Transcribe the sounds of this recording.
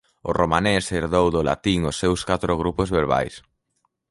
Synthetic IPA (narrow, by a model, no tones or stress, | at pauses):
oromaneseɾðowðola̰t̪iŋosːewskat̪ɾoɣɾupozβeɾβa̰js